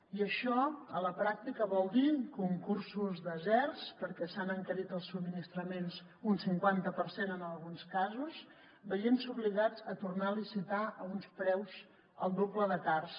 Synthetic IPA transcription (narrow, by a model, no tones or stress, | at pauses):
iəʃɔələpɾak̚t̪ikəβɔlˠd̪ikuŋkursuzðəzɛrspəɾkɛsanəŋkəɾit̪əlˠsub̚minist̪ɾəmenz | unsiŋkwant̪əpəɾsenənəlˠɣunskazus | bəjensuβliɣad͡zət̪urnalisit̪aʔəunspɾɛwz | əlˠd̪obləðət̪ars